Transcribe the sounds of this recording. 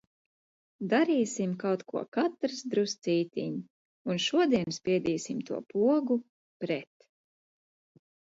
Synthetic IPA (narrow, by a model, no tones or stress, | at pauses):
d̪aɾiːsimkawt̪kṵɔkat̪ɾsd̪ɾust̪siːt̪ḭɲ | unʃuɔd̪iɛnspʲiɛd̪iːsimt̪uɔpuɔɡu | pɾɛt̪